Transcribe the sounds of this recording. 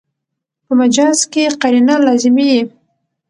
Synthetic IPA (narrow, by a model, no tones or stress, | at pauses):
pəmad͡ʒɑzkeqaɾinalɑzɪmiji